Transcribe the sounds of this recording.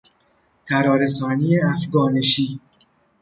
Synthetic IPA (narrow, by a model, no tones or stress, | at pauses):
t̪ʰæɾɒːɾesɒːniːjeæfɡɒːneʃiː